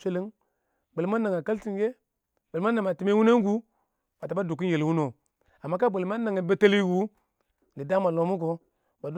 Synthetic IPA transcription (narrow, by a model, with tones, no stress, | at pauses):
sʷe˦li˦ŋ | ɡ͡be˨lma˦na˨ŋa˨ka˦lti˨˦ɡe˦ | be˨lma˦na˨ma˨ti˨me˦wu˦ne˦ŋ˦ɡu˦ | ba˨ta˨ba˦du˨ki˦nje˨lwu˦no˨ | a˨mːa˦ka˦be˨lma˦na˨ŋe˨be˦te˦li˦ɡu˦ | ni˨da˦ma˨lo˨mu˦ɡo˨ | ba˨du˦